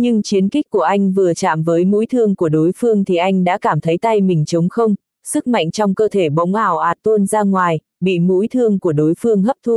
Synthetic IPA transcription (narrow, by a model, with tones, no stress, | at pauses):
ɲɨ˧ŋt͡ɕi˨˦ənkï˦˥k̟̚kːu˧˩əʔa˧jŋ̟vɨ˨˩ət͡ɕa̰ː˧˨mvəː˨˦jmṵ˧˥jt̪ʰɨ˧əŋku˧˩əɗo˨˦jfɨ˧əŋt̪ʰi˨˩ʔa˧jŋ̟ɗa̰ː˧˥kaː˧˩mt̪ʰə˨˦jt̪a˧jmï˨˩ŋ̟t͡ɕə˨˦wŋ͡mxə˧wŋ͡m | sɨ˦˥k̚ma̰˧˨jŋ̟t͡ɕɔ˧wŋ͡mkəː˧t̪ʰe˧˩ɓə̰˧˥wŋ͡mʔaː˧˩wʔaː˨˩t̚t̪o˧nzaː˧ŋwaː˨˩j | ɓḭ˧˨mṵ˧˥jt̪ʰɨ˧əŋku˧˩əɗo˨˦jfɨ˧əŋɦə˦˥p̚t̪ʰu˧